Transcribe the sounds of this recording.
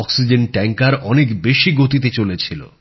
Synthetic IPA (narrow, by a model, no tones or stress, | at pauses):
ɔksid͡ʑenʈɛŋkaɾʔɔnekbeʃiɡot̪it̪̬et͡ɕolet͡ɕʰilo̰